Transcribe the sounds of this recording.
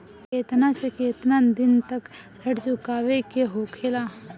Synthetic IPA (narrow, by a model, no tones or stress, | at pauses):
keːt̪nasekeːt̪nad̪ɪnt̪ɐk | sʰɐʈt͡ʃʊkaːwekeɦoːkʰeːlaː